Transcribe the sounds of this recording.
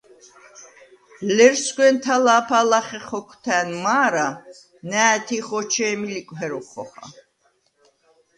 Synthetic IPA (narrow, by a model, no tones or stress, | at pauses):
llɛɾsɡwɛnt̪ʰalaːpʰalaχɛχɔkʰt̪ʰæːnmaːɾa | næːt̪ʰiχɔt͡ʃʰɛːmilikʷʼɦɛɾɔχɔχa̰